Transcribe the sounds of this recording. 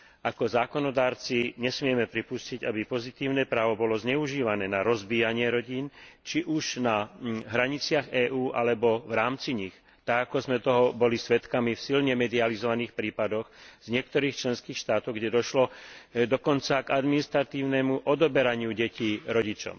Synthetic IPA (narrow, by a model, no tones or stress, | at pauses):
akɔzaːkɔnɔd̪aːɾt͡siɲɛsmɪɛmɛpɾipusciɟabipɔzit̪iːʊnɛːpɾaːʋɔbɔlɔzɲɛuʒiːʋanɛːnaɾɔzbiːjaɲɪɛɾɔɟiːnt͡ʃiʔuʒnaɦɾaɲit͡sɪaɣɛːʔuːʔalɛbɔʋɾaːmt͡siɲix | t̪aɡakɔzmɛt̪ɔɦɔbɔlisʋɛt̪kamifsilɲɛmɛd̪ializɔʋaniːxpɾiːpad̪ɔɣz̥ɲɪɛk̚t̪ɔɾiːxt͡ʃlɛnskiːxʃt̪aːt̪ɔʊɡɟɛd̪ɔʃlɔd̪ɔkɔnt͡saɡad̪minist̪ɾat̪iːʊnɛmuʔɔd̪ɔbɛɾaɲɪuɟɛciːɾɔɟit͡ʃɔ̰ʊ